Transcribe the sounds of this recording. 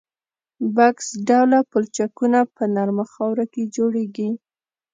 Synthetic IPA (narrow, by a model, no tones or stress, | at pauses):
baksɖawlapʊlt͡ʃakunapənaɾmaxawɾaked͡ʒoɽeɡi